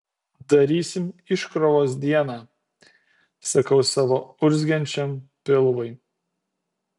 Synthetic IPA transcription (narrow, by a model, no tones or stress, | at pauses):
d̪ɐɾʲiːsʲɪmɪʃkɾɔʋoːs̬d̪ʲiɛnɑː | sɐkɐʊsɑːʋoːʊɾʲzʲɡʲɛnʲt͡ʃʲɛmpʲɪlˠʋɐɪ